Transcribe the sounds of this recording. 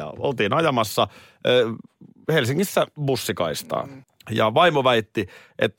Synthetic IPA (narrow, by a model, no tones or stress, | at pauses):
ɑ̰o̰lt̪iːnɑjɑmɑsːɑ | helsiŋːisːæbusːikɑist̪ɑ̰ː | jɑ̰ʋɑimoʋæit̪ːi | ʔet̪ː